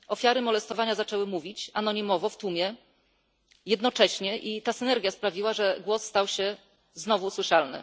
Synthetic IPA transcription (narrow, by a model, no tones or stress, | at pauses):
ʔɔfʲjaɾɘmɔlɛst̪ɔvaɲazat͡ʂɛwɘmuvʲit͡ɕanɔɲimɔvɔft̪umʲjɛ | jɛd̪nɔt͡ʂɛɕɲɛʔit̪asɘnɛɾɡʲjaspɾavʲiwaʐɛɡwɔsːt̪awɕɛ | znɔvuswɘʂalnɘ̰